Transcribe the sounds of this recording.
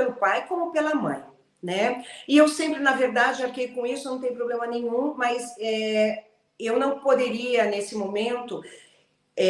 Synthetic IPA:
lʊpajkõmʊpelɐmɐ̰̃j̃ | nɛɪewsẽmpɾɪnɐveɾd̪ad͡ʒɪaɾkejkõisʊnɐ̃w̃t̪ẽjʊpɾoblẽmɐnẽɲũmɐzɛ | ewnɐ̃w̃pod̪eɾiɐnesɪmomẽnt̪ʊ | ɛ

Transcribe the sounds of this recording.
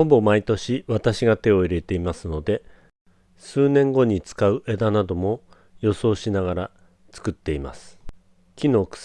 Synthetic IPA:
o̞bo̞mait̪o̞ɕiβat̪aɕiɡat̪e̞o̞iɾe̞t̪e̞imasɨno̞d̪e̞ | sɨːnẽ̞ŋɡo̞ɲ̟it͡sɨ̥kaɯ̟ʔe̞d̪anad̪o̞mo̞ | jo̞so̞ːɕinaɡaɾa | t͡sɨ̥kɯ̟t̪ːe̞ima̰sɨ̥ | kʲino̞ːkɯ̥

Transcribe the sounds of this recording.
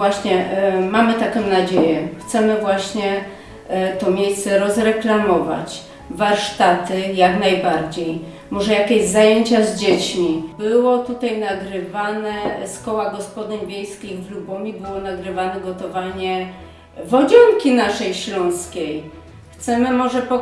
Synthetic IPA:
vwaɕɲɛmamɘt̪akɔ̃w̃nad͡ʑejɛxt̪sɛmɘvwaɕɲɛ | t̪ɔmʲejssɛɾɔzɾɛklamɔva̰t͡ɕ | vaɾʂt̪at̪ɘjakn̪ajbaɾd͡ʑej | mɔʐɛjakʲeʑzajeɲt͡ɕazd͡ʑet͡ɕmʲibɘwɔt̪ut̪ajnaɡɾɘvanɛskɔwaɡɔspɔd̪ɘɲvʲjejskʲiɣvlubɔmʲibɘwɔnaɡɾɘvanɛɡɔt̪ɔvaɲɛ | vɔd͡ʑɔŋkʲinaʂɛjɕlɔ̃w̃skʲej | xt̪sɛmɘmɔʐɛpɔ

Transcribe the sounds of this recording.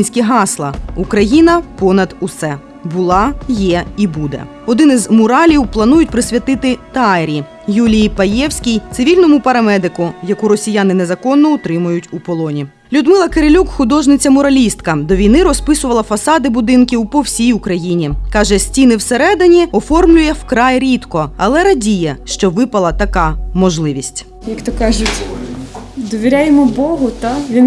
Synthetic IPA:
nʲsʲkʲiɦɑslˠɐ̰ukɾɐjinɐpɔnɐd̪usɛ | bʊlˠɑjɛibud̪ɛ̰ | ɔd̪ɪnɪzmʊɾɑlʲiwplˠɐnujʊtʲpɾɪsʲʋʲɐt̪ɪt̪ɪt̪ɑɾʲi | julʲijpɐjɛwsʲkʲijt̪sɪʋʲilʲnɔmʊpɐɾɐmɛd̪ɪkʊjɐkuɾɔsʲijanɪnezɐkɔnːɔʊt̪ɾɪmʊjʊtʲupɔlˠɔnʲi | lʲʊd̪mɪlˠɐkeɾɪlʲukxʊd̪ɔʒnɪt͡sʲɐmɔɾɐlʲist̪kɐd̪ɔʋʲijnɪɾɔspɪsʊʋɐlˠɐfɐsɑd̪ɪbʊd̪ɪnkʲiwpɔwsʲijʊkɾɐjinʲikɑʒɛsʲtʲinɪwseɾɛd̪ɪnʲiɔfɔrmlʲʊjɛwkɾɑjɾʲit̪kɔɐlˠɛɾɐdʲijɛʃt͡ʃɔʋɪpɐlˠɐt̪ɐkɑmɔʒlˠɪʋʲisʲtʲ | jɐkt̪ɔkɑʒʊtʲ | d̪ɔʋʲiɾʲajemɔbɔɦʊt̪aʋʲin

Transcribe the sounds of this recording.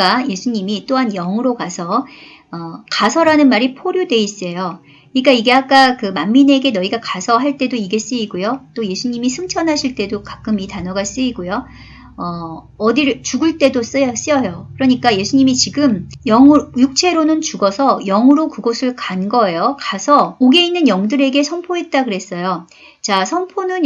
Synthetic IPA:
aje̞sʰuɲimit͈oɦanjʌŋɯɾokasʰʌ | ʌkasʰʌɾanɯnmaɾipʰoɾjode̞is͈ejo | kɯɲik͈aiɡe̞ak͈akɯmamːineɡe̞nʌiɡakasʰʌɦaɭt͈e̞doiɡe̞s͈ɯiɡojot͈oje̞sʰuɲimisʰɯŋt͡ɕʰʌnɦaɕʰiɭt͈e̞dokak͈ɯmitanʌɡas͈ɯiɡojo | ʌ | ʌdiɾt͡ɕuɡɯɭt͈e̞dos͈s͈iʌjokɯɾʌɲik͈aje̞sʰuɲimit͡ɕiɡɯmjʌŋɯjuk̚t͡ɕʰe̞ɾonɯnt͡ɕuɡʌsʰʌjʌŋɯɾokɯɡosʰɯɭkanɡʌe̞jokasʰʌoɡe̞inːɯnjʌŋdɯɾe̞ɡe̞sʰʌnpʰoɦe̞t̚t͈akɯɾe̞s͈ʌjo | t͡ɕasʰʌnpʰonɯn

